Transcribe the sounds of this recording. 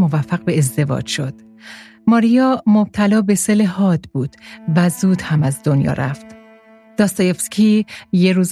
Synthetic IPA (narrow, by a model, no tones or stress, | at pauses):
mo̞væfːæɣbe̞ːzd̪e̞vɒ̰ːd͡ʒʃo̞d̪̥ | mɒːɾijɒːmob̚t̪ʰælɒːbe̞selehɒːd̪buːd̪̥væzuːd̪̥hæmæzd̪o̞njɒ̰ɾæ̰ft̪ | d̪̥ɒːst̪ɒjefskʰʲijeɾuːz